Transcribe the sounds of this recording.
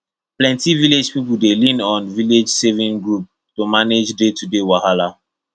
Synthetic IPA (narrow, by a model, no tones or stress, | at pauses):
plɛ̃ntiviled͡ʒpipul̩delĩnɔ̃nviled͡ʒsevĩnɡɹup̚ | tomaned͡ʒdetudewahala